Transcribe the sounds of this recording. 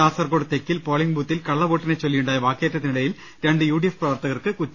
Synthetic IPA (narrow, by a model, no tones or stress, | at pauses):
aːsɐrkoːɽɨt̪ekːilpoːɭiŋɡbuːt̪ːilkɐɭːɐʋoːʈːinet͡ɕːolːijuɳɖaːjɐʋaːkːjeːtːɐt̪ːinɪɽɐjil | ɾeɳɖɨjuːɽijefprɐʋɐrt̪ɐɣɐrkɨkutː